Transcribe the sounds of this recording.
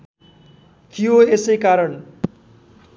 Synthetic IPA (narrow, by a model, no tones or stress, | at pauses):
k̪ijoesʌjkaɾʌɳ